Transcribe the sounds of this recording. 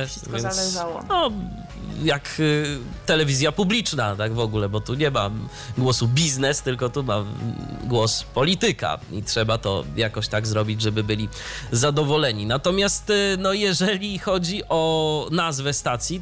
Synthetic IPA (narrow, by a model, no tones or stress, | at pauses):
ʂkvɛnalɛsʐawɔ̰nɔ | jak | t̪ɛlɛvʲizʲjapublʲit͡ʂnat̪aɡvɔɡulɛbɔt̪uɲɛma̰ | ɡwɔsubʲiznɛst̪ɘlkɔt̪umaɡwɔspɔlʲit̪ɘka̰ḭtʂɛbat̪ɔ̰jakɔɕt̪aɡzɾɔbʲid͡ʑʐɛbɘbɘlʲizad̪ɔvɔlɛɲinat̪ɔmʲjast̪nɔjɛʐɛlʲixɔd͡ʑiʔɔnazvɛst̪at̪sʲji